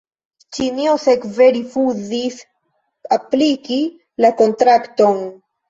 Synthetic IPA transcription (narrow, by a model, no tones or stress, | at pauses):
t͡ʃiniosekve̞ɾifuzis | apliki | lako̞ntɾakto̞n